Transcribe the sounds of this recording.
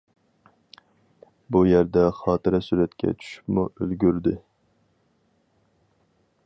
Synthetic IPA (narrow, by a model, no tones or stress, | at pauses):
bujæɾd̪ɛχɑːt̪ɨɾɛsyɾɛt̪kʲʰɛ̰t͡ʃʰy̥ʃy̥pmuʔølɡʲyɾd̪ɪ